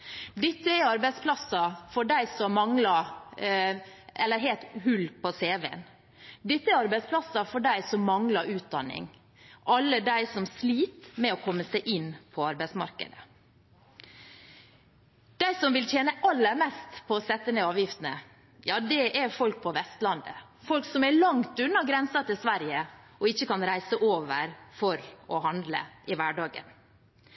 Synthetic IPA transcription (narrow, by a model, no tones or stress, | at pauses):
d̪ɪt̪ːəɛɾɑɾbæɪspʰlɑsɑfɔɖæɪsɔmːɑŋlɑ | ɛlːəɾɦeːlt̪hʉlpɔseːʋeə̰n | d̪ɛt̪ːəæɾɑɾbæɪspʰlɑsɑfɔɖæɪsɔmːɑŋlɑʔʉːt̪̚d̪ɑnːɪ̰ŋ | ʔɑlːəd̪æɪsɔmsliːt̪mɛɔkʰɔmːəsæɪʔɪnpʰɔɑɾbæɪsmɑ̰ɾkə̰d̪ə | d̪̥æɪsɔmʋɪlt̪ʰjeːnəʔɑlːəɾmɛst̪pʰɔːsɛt̪ːəneːɑːʋjɪft̪ənə | jɑːd̪ɛʔæɾfɔlk̚pʰɔʋɛst̪lɑnd̪ə̰ | fɔlksɔmæɭɑŋt̪ʉnːɑɡɾɛnsɑt̪ɪlsʋæɾjəʔɔɪçːəkɑnɾæɪsəʔoːʋəɾfɔɾɔɦɑnd̪lə̰ʔɪʋæɖɑːɡə̰n